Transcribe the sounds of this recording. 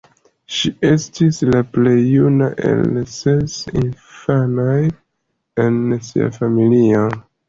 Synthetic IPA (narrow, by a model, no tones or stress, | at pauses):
ʃie̞stislaple̞jːunaʔḛlsesinfanaj | e̞nsḭa̰familio